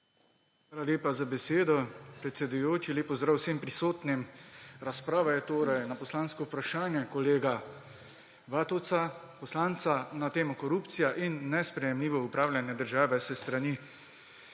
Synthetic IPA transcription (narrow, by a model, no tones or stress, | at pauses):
xʋʋaːlaleːpazabɛseːd̪ɔpɾɛt̪sɛd̪ujoːt͡ʃileːpɔzd̪ɾawseːmpɾisoːt̪nimɾaspɾaːʋajɛt̪oːɾajnapɔslaːnskɔwpɾaʃaːnjɛkɔleːɡa | ʋaːt̪ɔwt̪sa | pɔslaːnt̪sanat̪eːmɔkɔɾuːpt̪sijaʔinːɛspɾɛjɛmliːʋɔupɾaːwljanjɛd̪əɾʒaːʋɛsɛst̪ɾani